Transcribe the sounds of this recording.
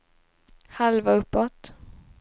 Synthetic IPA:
halvaɵpːɔt̪

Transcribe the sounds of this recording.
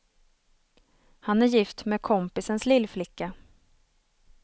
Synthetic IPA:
hanæɾjɪft̪meːkʰɔmpɪsənslɪlːflɪkːa

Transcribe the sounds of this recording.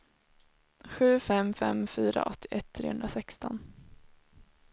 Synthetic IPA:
ɧʉ̟ːfɛmfɛmfyːɾa̰ʔɔt̪ʰːɪʔɛt̪ʰːɾeːhɵnd̪ɾasɛkst̪ɔn

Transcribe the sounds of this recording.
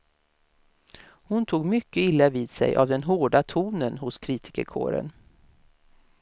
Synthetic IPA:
hʊnt̪ʰuːɡmʏkːəɪlːaviːd̪sɛ̰jʔa̰vd̪ɛnɦoːɖat̪ʰuːnənhʊskʰɾiːt̪ɪ̥kə̰ɾkʰo̰ːɾə̰n

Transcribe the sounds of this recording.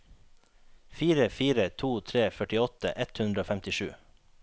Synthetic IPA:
fiːɾəfiːɾət̪ʰuːt̪ʰɾeːfœʈɪɔt̪ə̰ʔɛt̪hʉnd̪ɾəoːfɛmt̪ɪʃʉ̰ː

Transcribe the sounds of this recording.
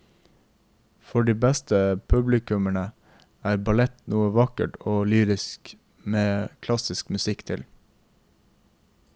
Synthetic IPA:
fɔɖiːbæst̪əpʰʉblɪkʉməɳə | æːɾbɑlɛt̪nuːəʋɑkə̰ʈoːlyːɾɪsk | meːkʰlɑsɪskmʉsɪkt̪ʰɪl

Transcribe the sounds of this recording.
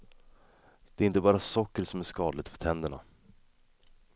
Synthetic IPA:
d̪̥ɛːɾɪnt̪əbɑːɾasɔkːəɾsɔmæʂkɑːd̪lɪt̪fœ̥t̪ʰɛnd̪əɳa̰

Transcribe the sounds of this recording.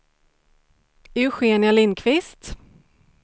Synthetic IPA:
hʉɧeːɳɪalɪnːkʰvɪst̪

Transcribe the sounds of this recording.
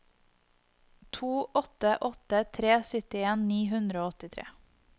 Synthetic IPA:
t̪ʰuːʔɔt̪əʔɔt̪ət̪ʰɾeːsʏt̪ɪeːnniːɦʉnd̪ɾəoːɔt̪ɪt̪ʰɾḛː

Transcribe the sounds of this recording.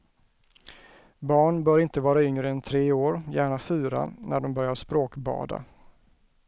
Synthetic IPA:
bɑːɳbœːɾɪnt̪əvɑːɾaʏŋɾəɛnt̪ʰɾeːoːɾjæːɳafyːɾa̰næɖɔmbœɾjaʂpɾoːkbɑ̰ːd̪a̰

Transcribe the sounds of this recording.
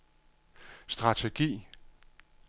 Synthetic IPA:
sd̥ʁɑ̈t͡sʰe̝ɡ̥ḭː

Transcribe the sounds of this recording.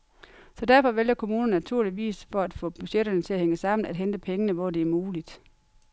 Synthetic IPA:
sɒ̽dæɐfɒ̽ʋel̰jɐkʰo̝muːnɐn̩næt͡sʰuɐ̰liʋḭːsfɒ̽æd̥fɔ̰̽ːb̥yɕeɾ̥ɐnət͡sʰe̝læheŋəsɑ̈m̰n̩æd̥ɦend̥əpʰeŋənəʋɒd̥e̝æɐmuːlid̥

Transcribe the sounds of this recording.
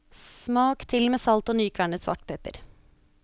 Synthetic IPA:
smɑːkt̪ʰɪlmeːsɑlt̪oːnyːkʰʋæɳət̪sʋɑ̰ʈpʰœpə̰ɾ

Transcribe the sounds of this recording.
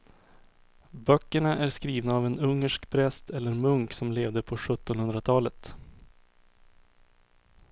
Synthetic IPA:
bœkːəɳaʔæɾskɾiːvnaːvɛnɵŋːəʂkpʰɾɛst̪ʰɛlːəɾmɵŋksɔmleːvd̪əpʰɔɧɵt̪ːɔnhɵnd̪ɾat̪ʰɑːlət̪

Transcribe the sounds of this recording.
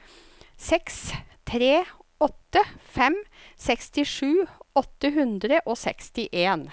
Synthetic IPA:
sɛkst̪ʰɾeːɔt̪ːəfɛm | sɛkst̪ɪʂʉːɔt̪ːəɦʉnd̪ɾəʔoːsɛ̰kst̪ɪʔeːn

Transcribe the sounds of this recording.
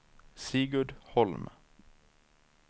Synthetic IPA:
siːɡʉɖ̪hɔlm

